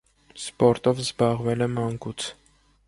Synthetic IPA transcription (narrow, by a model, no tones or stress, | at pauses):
spɔɾt̪ɔvzbɑʁvɛlɛmɑŋkut͡sʰ